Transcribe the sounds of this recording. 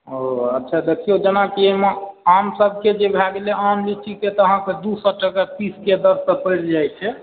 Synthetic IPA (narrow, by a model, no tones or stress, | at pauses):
ɦoətːʃʰad̪ekʰijod͡ʒenakieɦmeamsəb̚ʱked͡ʒebʱaɡeleʔamlit͡ʃʰiket̪ɔəɦãked̪usəʈəkəɾt̪isked̪əɾsəpəjɾd͡ʒajt͡ʃʰɛ